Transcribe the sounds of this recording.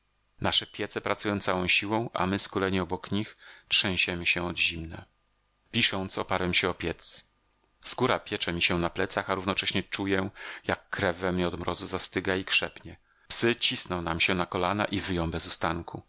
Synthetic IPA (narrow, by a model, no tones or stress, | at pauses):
naʂɛpʲjɛt̪sɛpɾat̪sujɔ̃w̃t̪sawɔ̃w̃ɕiwɔ̃w̃ʔa̰mɘskulɛɲɛɔbɔkɲixtʂɛ̃w̃ʑɛmɘɕɛɔd̪ʑimnɛ̰ | pʲiʂɔnt̪sɔpaɾwɛmɕɛɔpʲjɛt̪s | skuɾapʲjɛt͡ʂɛmʲiɕɛnaplɛt̪saxaɾuvnɔt͡ʂɛɕɲɛt͡ʂujɛjakːɾɛvːɛmɲɛɔd̪mɾɔzuzast̪ɘɡaikʂɛpɲɛ | psɘt͡ɕisnɔ̃w̃namɕɛnakɔlana̰ʔivɘjɔ̃w̃bɛzust̪aŋkʰu